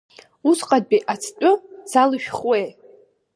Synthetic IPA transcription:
usqʼad̚biʔat͡sʰt͡pʷʼʊsalɨʃᶣχwej

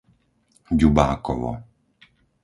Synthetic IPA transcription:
ɟubaːkɔʋɔ̰

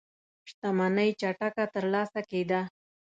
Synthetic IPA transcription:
ʂt̪amanəjt͡ʃaʈakat̪əɾlɑsaked̪a

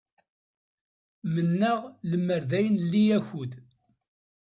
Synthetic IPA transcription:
mənːəʁləmːəɾðæjnlːijæçuð

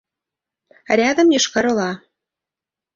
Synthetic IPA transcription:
ɾʲæd̪ə̆mjɤʃkɑɾɤ̆lɑ

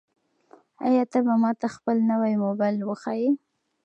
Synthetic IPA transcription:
a̰jɑt̪abamɑt̪axpəlnəwajmobɑjlwəxɑji

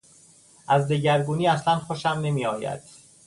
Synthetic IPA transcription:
ʔæzd̪eɟæɾɡuːniːæslænxoʃæmne̞miːɒːjæ̰d̪̥

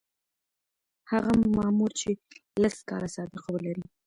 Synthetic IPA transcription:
haɣamɑmuɾt͡ʃelaskɑ̰ɾasɑd̪ɪqawəlaɾi

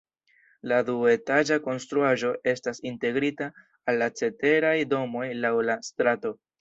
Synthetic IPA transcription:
ladue̞tad͡ʒako̞nstɾuaʒo̞ʔe̞stasinte̞ɡɾitaː | lːat͡se̞te̞ɾajdo̞mo̞jlawlastɾato̞

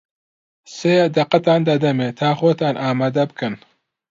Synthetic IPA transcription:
seːjd̪ɐqɐt̪aːnd̪ɐd̪ɐmeːt̪ʰaːxoːt̪aːnʔaːmaːd̪ɐbɨkɨn

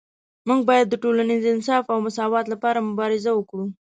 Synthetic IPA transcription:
muɡ̚bɑjad̪ːəʈolanizɪns̬ɑfawmʊsɑwɑt̪lapɑɾamʊbɑɾɪzawəkɽu

